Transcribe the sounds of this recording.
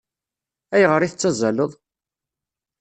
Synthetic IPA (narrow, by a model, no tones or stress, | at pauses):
æjəʁəɾˤiθət͡sːæzæləðˤ